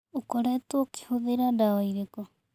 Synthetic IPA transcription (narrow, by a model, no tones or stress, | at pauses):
okɔɾɛtwoke̥hoðeɾandawaiɾekɔ